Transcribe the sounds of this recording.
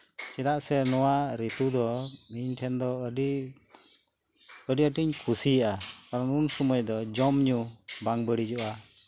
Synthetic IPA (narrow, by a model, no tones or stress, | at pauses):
t͡ʃɛd̪aʔsɛnɔwaɾit̪ud̪ɔmiɲʈʰɛnd̪ɔəɖi | əɖiəʈiɲkʰusijaʔakaɾɔnunsɔmɔjd̪ɔd͡ʒɔmɲubaŋbəɽid͡ʒɔʔa